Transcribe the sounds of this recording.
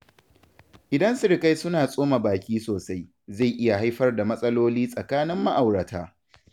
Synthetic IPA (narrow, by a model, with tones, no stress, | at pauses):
ʔɪ˨dɐ˦nsʊ˦˨ɽka˦jsʊ˦naː˨sʼoː˦ma˨baː˨kʲiː˦soː˨sa˦j | za˦˨jʔɪ˦ja˨ɦa˦jɸɐ˦rda˨mɐ˦sʼɐ˦loː˦liː˦sʼɐ˨kaː˦nɪ˦mːa˦ʔa˨wɽɐ˨taː˦